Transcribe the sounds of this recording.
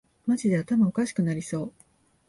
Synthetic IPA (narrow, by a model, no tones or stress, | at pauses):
maʑid̪e̞at̪amao̞kaɕi̥kɯ̟naɾʲiso̞ː